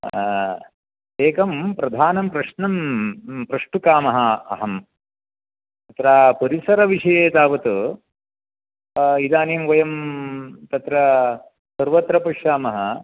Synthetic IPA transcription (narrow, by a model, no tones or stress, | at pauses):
eːkɐmpɾɐd̪ʱaːnɐmpɾɐʂnɐmpɾɐʂʈukaːmɐɦɐɐ̰ɦɐm | t̪ɐt̪ɾaːpɐɾisɐɾɐʋiʂɐjeːt̪aːʋɐt̪u | id̪aːniːmʋɐjɐm | t̪ɐt̪ɾɐ | sɐɾʋɐt̪ɾɐpɐʃjaːmɐɦɐ